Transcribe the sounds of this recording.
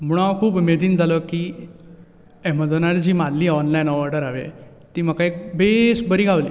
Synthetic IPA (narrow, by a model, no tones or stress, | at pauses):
m̤uɽ̃akʰuːbmed̪iːnd͡zʱaləkiː | em̤əd̪ənaɾd͡ʑiːmanliːɔnlajnɔʋɔɾʈəɾaʋḛ | t̪iːm̤əkaek̚besbəɾiːɡʱaʋliː